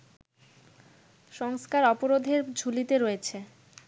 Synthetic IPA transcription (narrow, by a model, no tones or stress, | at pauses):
ʃɔŋskaɾɔpoɾod̪ʱeɾd͡ʑʱulit̪eɾoet͡ɕʰe